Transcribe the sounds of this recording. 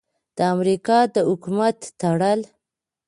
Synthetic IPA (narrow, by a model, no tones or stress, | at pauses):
d̪̥əamɾikɑd̪əhʊkumat̪ːaɽəl